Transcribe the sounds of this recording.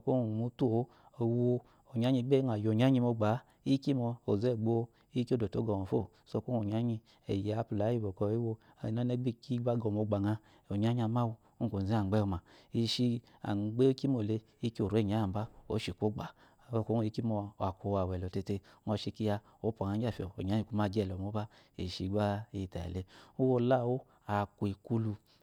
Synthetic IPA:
o˧˦ko˦˨mu˧tu˦˨˦ | o˨w | o˨ɲ˨a˦ɲi˧˦ɡ͡be˦˨a˨jo˨ɲa˦ɲi˧mo˧ɡ͡ba˨˦ | i˦ki˦mɔ˧o˨ze˦˨ɡ͡bo˦˧˦ | i˦ko˦˨do˨to˨˦ɡɔ˨mo˨fo˦˨ | so˧˦ko˦o˨ɲa˦ɲi˧ | e˨je˨a˧pu˨la˨˦i˧˨bo˨kɔ˧˦i˦wo˧˨ | na˦ne˧˦ɡ͡bi˦˨ki˦ɡ͡ba˦ɡɔ˨mo˧˨ɡ͡ba˨ŋa˧ | o˨ɲa˦ɲ˦a˧ma˦wu˧ | u˦˨ko˨zi˨˦a˨ɡ͡bɛ˦o˧˨ma˨i˨˧ʃi˧ | a̰˨ɡ͡be˦o˦ki˦mo˨le˧ | i˦ki˦o˨ɾe˦˨ɲ˨a˨˦a˨ba˦o˨˦ʃi˨kʷo˦ɡ͡ba˨ | o˦˨ko˦˨i˦ki˦mo˧˨a˨kʷo˨˧˦wa˨wɛ˨lɔ˨te˧te˧˦ɔ˧ʃi˧ki˦ja˧ | o˨˦pa˨ŋa˨˧˦a˦˨fi˨o˨o˨ɲa˨˦i˧˨ku˦m˦a˦˧˦d͡ʒɛ˦˨lɔ˨mo˨˦ba˦ | ḭ˨ʃi˧˦ɡ͡ba˦i˧˦˨ta˨ḛ˨le˧u˦wo˧la˦˨wo˦ | a˨ku˨i˨ku˦lu˧

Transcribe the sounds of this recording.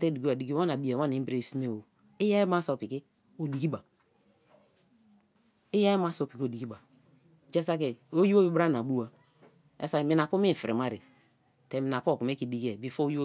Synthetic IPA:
te˦di˨ki˦a˨di˨ki˦a˦na˨bi˨˦e˨wa˦ni˨˦bɾe˦˨si˦ne˦˨o˨ | i˦ja˦ma˦so˨pi˨ki˦ | o˨di˨ki˦ba˨ | i˦ja˦ma˦so˦˨pi˨ko˨di˨ki˦ba˨ | d͡ʒe˦sa˦ke˨o˦ji˦wo˦bi˦bɾa˦na˨bu˦wa˨ | ḛ˦sa˦˨mi˨na˨pu˦i˦˨fi˨ɾḭ˨ma˦ɾi˨ | te˨mi˨na˨po˦˨ku˨m˦e˦ki˨di˨ki˦e˨bi˨˦fo˦ji˦

